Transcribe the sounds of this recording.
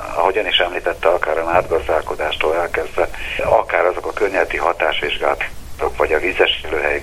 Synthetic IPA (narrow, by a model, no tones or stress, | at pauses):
ɒ̰ɦo̞ɟɒniʃɛmliːt̪ɛt̪ːɛɒkaːɾɒnaːd̪ɡɒzd̪aːlko̞d̪aːʃt̪oːlɛlkɛzd̪ʋɛɒkaːɾɒzo̞kɒkørɲɛzɛt̪iɦɒt̪aːʃʋiʒɡaːlt̪t̪okʋɒɟɒvizɛʃiløːɦɛj